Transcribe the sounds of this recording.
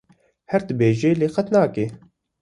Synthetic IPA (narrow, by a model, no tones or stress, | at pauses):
hɛɾd̪ɨbeːʒeːleːxɐt̪naːkeː